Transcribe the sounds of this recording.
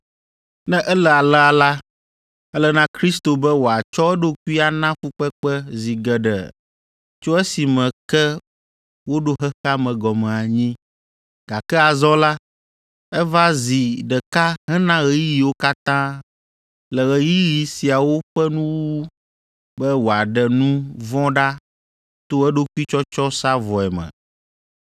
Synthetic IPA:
nɛ̃˦ʔɛ˦lɛ˨a˨lɛ˦a˨la˦ | ɛ˦lɛ˦nã˦kɾi˦st̪o˨bɛ˦wo˨a˨t͡ʃɔ˦ɛ˦ɖo˦ku˦i˦a˨nã˦ɸu˦k͡pɛ˦k͡pɛ˦zi˨ɡɛ˨ɖɛ̰˨ | t͡ʃo˦ɛ˦si˨mɛ̃˨kɛ˦ | wo˦ɖo˦ɦɛ˦xa˦mɛ̃˨ɡɔ˨mɛ̃˨a˨ɲĩ˦ | ɡ̥a˨kɛ˦a˨zɔ˦la˦ | ɛ˦va˦zi˨ɖɛ˨ka˦ɦɛ˦nã˦ɣɛ˨ji˦ji˨wo˦ka˦t̪ã˦ | lɛ˨ɣɛ˨ji˦ji˨si˨a˨wo˦ɸɛ˦nũ˦wwu˦ | bɛ˦wo˨a˨ɖɛ˨nũ˦vɔ̃˦ɖa˦ | t̪o˦ɛ˦ɖo˦ku˦i˦t͡ʃɔ˦t͡ʃɔ˦sa˦vɔ˨ɛ˨mɛ̰̃˨

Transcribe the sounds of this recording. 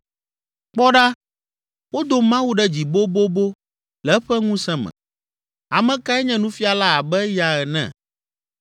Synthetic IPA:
k͡pɔ˦ɖa˦ | wo˦d̪o˨mã˦wu˦ɖɛ˦d͡ʑi˨bo˦bo˦bo˦ | lɛ˨˦ɸɛ˦ŋũ˦sɛ̃˦mɛ̰̃˨ | a˨mɛ̃˦ka˦ɛ˦ɲɛ̃˦nũ˦fi˦a˨la˦a˨bɛ˦ja˨ɛ˨nɛ̰̃˨

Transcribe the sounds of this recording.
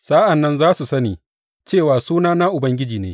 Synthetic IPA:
saː˦ʔɐ˨nːɐ˦nzaː˦su˨sɐ˦niː˨ | t͡ʃeː˦˨waː˨suː˦naː˦naː˦ʔʊ˨bɐ˦ŋɡʲɪ˦d͡ʒiː˨neː˨˦

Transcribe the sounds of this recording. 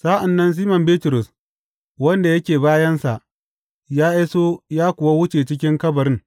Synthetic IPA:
sa˦ʔa˨nːɐ˦ns̬iː˦mɐ˨mbeː˦tʊ˨ɾʊ˨s | wɐ˦nda˨jɐ˦kʲeː˨baː˦jɐ˦nsa˨ʔ | jaː˦ʔa˦soː˦jaː˦kʷʊ˨wa˦wʊ˦t͡ʃeː˨t͡ʃɪ˦kʲɪ˦ŋkɐ˦bɐ˨ɾɪ˦ŋ

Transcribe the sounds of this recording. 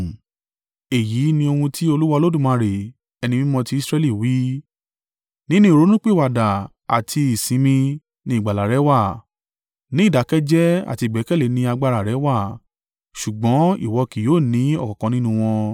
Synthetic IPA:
e˨ji˨˦nĩ˧o˧hũ˧tʰi˦o˧lu˦wa˧lo˦dũ˦˨mã˨˧ɾe˨ | ɛ˧nĩ˧mĩ˦mɔ̃˧ti˦i˦sɾɛ˦li˦˨wi˨˦ | nĩ˦nũ˦i˨ɾo˨˦nũ˦k͡pe˦˨wa˨da˨ | a̰˨tʰi˧i˨sĩ˨˦mĩ˧ | nĩ˧˦˨ɡ͡ba˨la˨ɾɛ˨˦wa˦˨ | nĩ˦˨da˨˦kɛ˦d͡ʒɛ˦a̰˨ti˧˨ɡ͡bɛ˨˦kɛ˦˨le˨˦nĩ˧a˧ɡ͡ba˧ɾa˨ɾɛ˨˦wa˦˨ | ʃu˨ɡ͡bɔ̃˨˦ḭ˦˨wɔ˨˧ki˨joː˦˨nĩ˨˦ɔ˦˨kɔ̃˨kɔ̃˨˧nĩ˦nũ˧w̃ɔ̃˧

